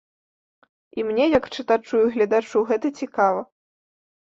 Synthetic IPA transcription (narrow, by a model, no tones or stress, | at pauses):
imnʲɛjɐkt͡ʂɨt̪at͡ʂujuɣlʲɐd̪at͡ʂuɣɛt̪ɐt͡sʲikavɐ